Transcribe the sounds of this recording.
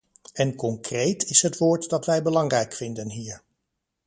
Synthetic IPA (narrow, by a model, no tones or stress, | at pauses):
ɛnkɔŋkrejtɪsɦətʋʊːɹtdɑtʋɛjbəlɑŋrɛjkfɪndənɦiːɹ